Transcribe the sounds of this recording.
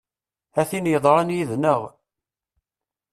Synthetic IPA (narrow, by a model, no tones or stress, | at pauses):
æθinjəðˤɾˤɑnjiðnəʁ